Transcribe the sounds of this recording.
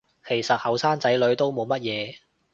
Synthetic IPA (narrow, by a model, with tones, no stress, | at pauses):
kʰe˨˩jsɐ˨t̚hɐ˨˩wsaː˥ŋt͡sɐ˨˥jlɵ˨˧ɥt̪o˥wmo˨˧wmɐ˥t̚jɛː˨˧